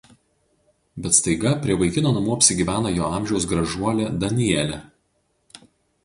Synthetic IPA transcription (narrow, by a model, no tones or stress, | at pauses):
bʲɛt̪st̪ɐɪɡɐpʲɾʲiɛʋɐɪkʲɪnoːnɐmuːɐpʲsʲɪɡʲiːʋʲæːnɐjoːɑˑmʲʒʲɛʊs̬ɡɾɐʒuɔlʲɛd̪ɐnʲɪjɛlʲɛ